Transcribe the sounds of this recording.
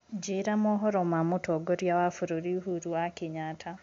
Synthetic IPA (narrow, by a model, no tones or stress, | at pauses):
d͡ʒiɾamoɦɔɾɔmamutoɡɔɾjawafuɾoɾiuɦuɾuwakiɲatʰa